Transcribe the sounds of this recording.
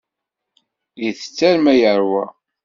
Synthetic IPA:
jiθə̥t͡sːæɾmæjəɾwæ

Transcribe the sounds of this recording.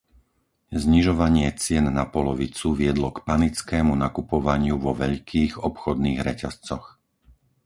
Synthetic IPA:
zɲiʒɔʋaɲɪɛt͡sɪɛnːapɔlɔʋit͡suʋɪɛd̪lɔkpanit͡skɛːmunakupɔʋaɲɪuʋɔʋɛʎkʰiːɣɔpxɔd̪niːɣɾɛ̰cast͡sɔx

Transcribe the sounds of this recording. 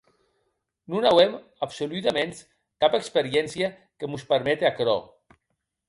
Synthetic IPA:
nunawem | apsolyt̪amens | kapəkspeɾjɛnsja | kemuspəɾmɛt̪eakɾɔ̰

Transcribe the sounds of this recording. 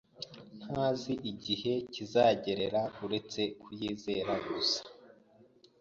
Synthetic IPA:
n̥haːziʔiɟihe̞cizaːɟe̞ɾe̞ɾauɾe̞t͡se̞kʰujiːze̞ɾaɡusḁ

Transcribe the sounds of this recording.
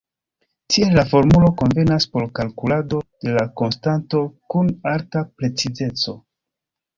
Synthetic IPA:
tʰielːafo̞ɾmulo̞ko̞nve̞naspo̞ɾkalkulado̞d̥e̞lako̞nstanto̞kunaɾtapɾe̞t͡size̞t͡so̞

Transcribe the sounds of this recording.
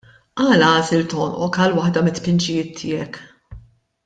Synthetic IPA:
ʔɐːlɐɐːsɪlt̪ɔːnʔɔkɐlwɐħd̪ɐmɪt̪ːpɪnt͡ʃɪjɪːt̪ʰːɪːjɛk

